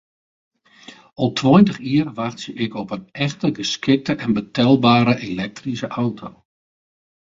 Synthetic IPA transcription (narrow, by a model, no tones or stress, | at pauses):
ɔlˠtʰwɔjntəχiərʋaxtsəʔɪkɔpənɛxtəɡəskɪk̚təʔɛnbətʰɛlˠbaːɾəʔelɛk̚trisəʔawtʰo